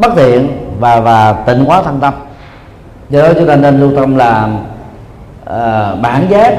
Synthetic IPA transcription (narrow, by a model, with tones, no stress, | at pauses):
ɓə˦˥t̚t̪ʰḭ˧˨ənvaː˨˩vaː˨˩t̪ï˧˩˨ŋ̟kwaː˨˦t̪ʰə˧ŋt̪ə˧m | zɔ˧ɗɔ˨˦t͡ɕu˨˦t̪a˧˩ne˧nlu˧t̪ə˧mlaː˨˩ | ʔəː˨˩ɓaː˧˩˦nzaː˦˥k̚